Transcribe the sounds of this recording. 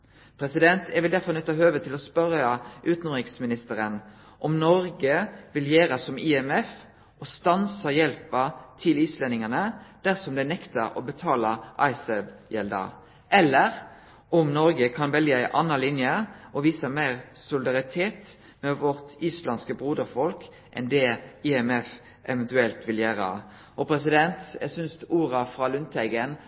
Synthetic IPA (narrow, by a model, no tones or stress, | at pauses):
pʰʁɛsɪd̪ɛnt̪ʰɛʋɪld̪æʁfɔʁnœt̪ːɑɦøːʋət̪ʰɪlɔspœɾɑʔʉːt̪nmʁɪksmɪnɪst̪əɾən | ʔɔmnɔʁɡəʋɪljeːɾəsɔmɪɛmɛf | ɔst̪ɑnsəjɛlpɑt̪ʰɪliːslɛnɪŋənəd̪̥æʁsɔmd̪ɛɪnɛkt̪əɾɔ̰bət̪ʰɑːlɑʔɑɪsɛbjɛld̪ɑ̰ | ʔɛlːəʁ | ɔmnɔɾɡəkʰɑnʋɛlɡəæɪʔɑnːɑlɪnjəʔɔʋiːsəmæɪʁsʊlɪd̪ɑʁɪt̪ʰeːt̪ | mɛʋɔʁt̪iːslɑnskəbʁuːd̪əʁfɔlk | ʔɛ̰nd̪ɛɪɛmɛf | ʔɛʋɛnt̪ʉɛlt̪ʋɪljæːɾə̰ | ʔɔpʰɾɛs̬ɪd̪ɛnt̪jæ̰sʏnst̪uːɾɑfʁɑːlʉnt̪ʰɛɪɡən